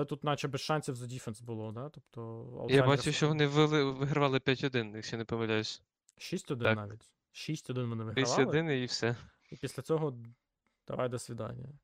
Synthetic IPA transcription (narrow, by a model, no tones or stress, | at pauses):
lˠɛt̪ut̪nɑt͡ʃɛbɛsʃɑnʲsʲiwzɐdʲifɛnsbʊlˠɔd̪ɑt̪ɔpt̪ɔɐ̰j̪abat͡ʃʊʃt͡ʃɔʋɔnɪʋɪlˠɪʋɪɦɾɐʋɑlˠɪpʲjatʲɦɔd̪ɪnjakʃt͡ʃɛnɛpɔmɐlʲajʊsʲ | ʃisʲtʲɔd̪ɪnnɑʋʲitʲ | ʃisʲtʲɔd̪ɪnʋɔnɪʋɪɦʲiɐsʋʲɑɔlˠɪɪniwsɛ | ipʲisʲlʲɐt͡sʲɔɦɔ | d̪̥ɐ̰ʋɑ̰jd̪ɐsʲʋʲid̪ɑ̰nʲːɐ